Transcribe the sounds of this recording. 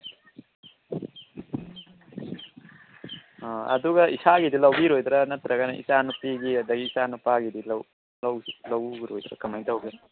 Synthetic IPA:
ɐ̰duɡɐisaɡidilɐwbiɾojd̪ɾɐnɐt̪ɾɐɡɐnɐʔḭsanupiɡiɐd̪ɐɡiːsanupaɡidilw | lɐwlɐwiɾo̰jd̪ɾɐ̰kʰɐmajdɐwkʰe

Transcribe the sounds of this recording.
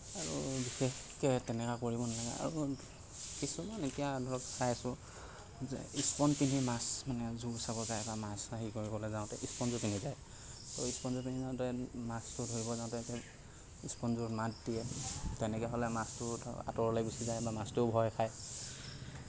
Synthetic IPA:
aɹubixekɛtɛnɛkakoɹibɔnalaɡɛa̰ɹu | kisumanetijadʱɔɹɔksajasʊ | zɛ̰ispɔnpinimasmanɛzuɡusabɔzajbamasaɦikoɹikɔlɛzaʊ̃tɛʔispɔnzɔpinizaj | tɔispɔnzɔpinizaʊ̃tɛmastʊdʱoɹibɔzaʊ̃tɛtɛ | ispɔnzuɹmatdijɛtɛnɛkɛɦɔlɛmastʊa̰tɔɹlajbisizajbamastʊbʱɔjkʰaj

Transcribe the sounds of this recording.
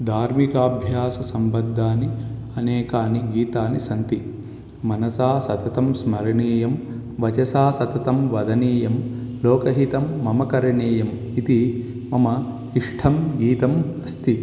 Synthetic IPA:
d̪ʱaːɾmikaːbʱjaːsɐsɐmbɐd̪ʱːaːniɐneːkaːniɡiːt̪aːnisɐnt̪i | mɐnɐsaːsɐt̪ɐt̪ɐmsmɐɾɐɳeːjɐm | ʋɐt͡ʃɐsaːsɐt̪ɐt̪ɐmʋɐd̪ɐniːjɐmloːkɐɦit̪ɐmːɐmɐkɐɾɐɳeːjɐm | it̪i | mɐmɐ | iʂʈʰɐmɡiːt̪ɐmɐst̪i

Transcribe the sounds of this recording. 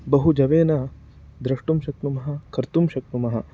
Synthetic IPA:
bɐɦud͡ʒɐʋeːnɐ | d̪ɾɐʂʈumʃɐk̚numɐɦɐ̆kʰɐɾt̪umʃɐk̚numɐɦɐ̆

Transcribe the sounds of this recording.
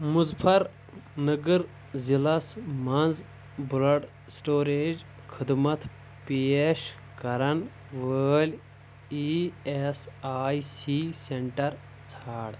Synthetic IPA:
muzpʰɐɾ | nɨɡɨɾ | zilɐsmɐnz | bulɐɖ | sʈoːɾeːd͡ʒ | kʰɨd̪mɐt̪ʰ | peːʃ | kɐɾɐn | ʋəːlʲ | iesaːjsiːseɳʈɐɾ | t͡sʰaːɽ

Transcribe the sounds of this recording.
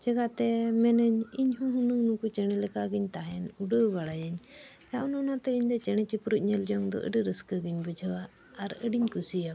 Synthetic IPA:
d͡ʒɛɡat̪ɛmɛnəɲiɲhũɦunuŋnukut͡ʃɛɽ̃ɛlɛkaɡiɲt̪aɦɛnuɖəbaɽajəɲ | jaʔɔnɔnat̪ɛiɲd̪ɔt͡ʃɛɽ̃ɛt͡ʃipɾuc̚ɲɛld͡ʒɔŋd̪ɔ̰ʔə̰ɖəɾəskəɡiɲbəd͡ʒʱəwaː | ɾəɖiɲkusija

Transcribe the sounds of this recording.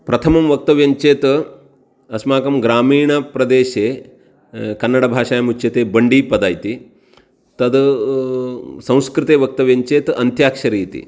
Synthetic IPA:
pɾɐt̪ʰɐmɐmʋɐk̚t̪ɐʋjɐɲt͡ʃeːt̪ | ɐsmaːkɐmɡɾaːmiːɳɐpɾɐd̪eːʃeː | kɐnːɐɽɐbʱaːʂaːjɐmut͡ʃjɐt̪eːbɐɳɖiːpɐd̪aːjt̪i | t̪ɐd̪ | sɐ̃w̃skɾɨt̪eːʋɐk̚t̪ɐʋjɐɲt͡ʃeːt̪ɐnt̪jaːkʂɐɾiːt̪ḭ

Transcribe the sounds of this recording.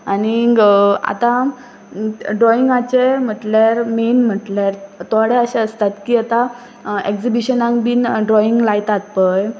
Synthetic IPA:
aniɡa̰t̪a | ɖɾɔiŋɡat͡ɕem̤əʈljaɾmenm̤əʈljaɾt̪oɽeəɕãəst̪at̪kiːat̪a | eksibiɕənãŋɡbiːnɖɾɔiŋɡlajt̪at̪̚pəj

